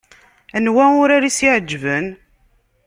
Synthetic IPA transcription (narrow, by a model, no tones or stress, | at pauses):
ænwæʊɾaɾisiʕəd͡ʒːvən